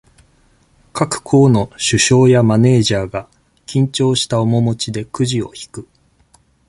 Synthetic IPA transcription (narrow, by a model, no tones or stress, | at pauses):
kakɯ̟̥kʰo̞ːno̞ɕɨɕo̞ːjamane̞ːʑaːɡa | kʲĩɲ̟t͡ɕo̞ːɕi̥t̪aomo̞mo̞t͡ɕid̪e̞kɯ̟ʑio̞̰çi̥kɯ̟